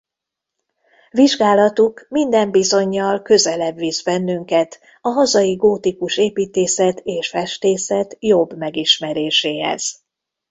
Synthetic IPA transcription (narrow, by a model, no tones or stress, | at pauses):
viʒɡaːlɒt̪ukmind̪ɛmbizo̞ɲːɒlkø̞zɛlɛbʋizbɛnːyŋkɛt̪ | ɒɦɒzɒjiɡoːt̪ikuʃeːpiːt̪eːsɛt̪eːʃfɛʃt̪eːsɛt̪jo̞bmɛɡiʃmɛɾeːʃeːɦɛ̰z̥